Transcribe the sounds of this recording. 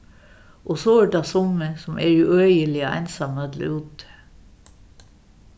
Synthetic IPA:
ʔoːsoːʋəʈɑːsɔməsɔmʔæːɹʉːœjəlɪæ̰ɪnsɑməɑd̪l̰uːt̪

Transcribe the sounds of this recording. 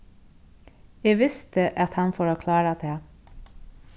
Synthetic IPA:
jeːʋɪst̪əʔɑt̪hɑnfoːɾoːkʰlɑːɾət̪ʰeː

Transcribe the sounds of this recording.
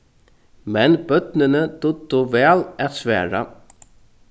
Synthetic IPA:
mɛnbœt̪nənəd̪̥ʊd̪uʋɛːlæt̪sʋæ̰ːɹa̰

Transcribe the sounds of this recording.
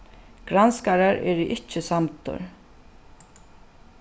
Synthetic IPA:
ɡ̥ɾanskaɾaɾɛ̰ɾiʔɪht͡ʃːɪsamt̪ʊ̰ɹ̥

